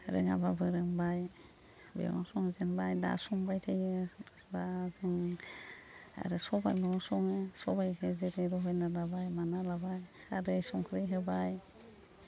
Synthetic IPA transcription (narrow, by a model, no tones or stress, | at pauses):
ɾɯ̰ŋa̰babɯɾɯŋbaj | bḛŋɔ̰sɔŋzenbajda̰sɔŋbajtʰejɯdazɯŋ | a̰ɾɯsɔbajnɔsɔŋesɔbajkʰezeɾeɾɔɦɔjnadabajmanalabaj | a̰ɾɯsɔŋkʰɾɯɦɯbaj